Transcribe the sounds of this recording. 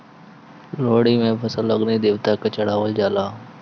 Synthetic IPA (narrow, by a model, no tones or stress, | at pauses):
loːɽiːmẽːpəsəlːəɠneːd̪eːʋt̪aːkət͡ʃəɽaːʋəld͡ʒaːlaː